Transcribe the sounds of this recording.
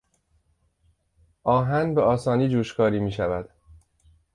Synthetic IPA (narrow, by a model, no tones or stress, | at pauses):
ʔɒːɦænbeʔɒːsɒːniːd͡ʒuːʃkʰɒːɾiːmiːʃævæd̪̥